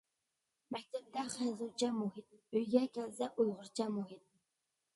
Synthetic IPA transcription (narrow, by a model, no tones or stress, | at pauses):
mɛk̚ʲt̪ʰɛp̚d̪ɛχæjzut͡ʃʰɛmuɦɪt̪̚øjɡʲɛkʲʰɛlsɛʔujʁʊɾt͡ʃʰɛmuɦɪt̪̚